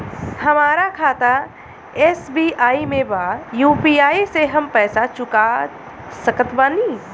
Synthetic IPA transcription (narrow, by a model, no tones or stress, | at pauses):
hɐmaːɾakʰaːt̪a | eːsbiːaːimẽbaːjuːpiaːiseɦɐmpɛːsat͡ʃʊka | səkət̪baːniː